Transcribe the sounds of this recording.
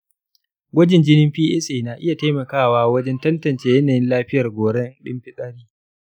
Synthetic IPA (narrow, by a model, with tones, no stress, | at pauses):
ɡʷɐ˦d͡ʒɪ˨nd͡ʒɪ˦nɪ˦mɸiː˦ʔɛ˦sʔeː˨naː˨ʔɪ˦ja˨ta˦mɐ˨kaː˦˨waː˦wɐ˦d͡ʒɛ˦ntɐ˦ntɐ˨nt͡ʃeː˨jɛ˦naː˨jɪ˦nlaː˦ɸɪ˦jɐ˨rɡʷoː˨ɽɛ˦nɗɪ̰˦mɸɪ˦sʼaː˦ɽiː˦